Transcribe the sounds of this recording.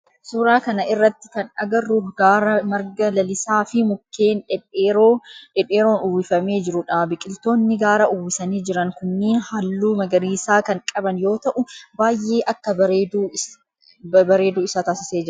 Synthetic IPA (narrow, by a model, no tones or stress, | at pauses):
sʊɾaːkɐnɐʔɪrːɐt̪ːɪ̥kɐnɐɡɐrːuɡaːɾɐmɐɾɡɐlɐlɪsaːfɪmʊkːe̞ːnᶑɛᶑeːɾoᶑɛᶑe̞ːɾo̞ːnuːwɪfɐme̞ːd͡ʒɪɾʊᶑaːbɪkʼɪlt̪o̞ːnːɪɡaːɾɐʔʊːwɪsɐniːd͡ʒɪɾɐŋkʊnːiːnhɐlːuːmɐɡɐɾiːsaːkɐŋkʼɐbɐnjo̞ːt̪ɐʔʊbaːjʔe̞ːʔɐkːɐbɐɾeːd̪uː | bɐɾe̞ːd̪uːɪsaːt̪aːsɪ̥se̞ːd͡ʒɪɾ